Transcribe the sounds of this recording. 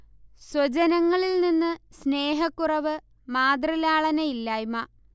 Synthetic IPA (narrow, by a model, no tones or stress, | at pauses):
swɐt͡ɕɐnɐŋːɐɭilninːɨsneːɦɐkːurɐʋɨ | maːd̪rilaːɭɐnɐjilːaːjumɐ